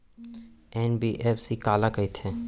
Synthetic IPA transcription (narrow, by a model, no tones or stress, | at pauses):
ɛːnbiːʔeːfsikaːlakɐit̪ʰɛ̃ː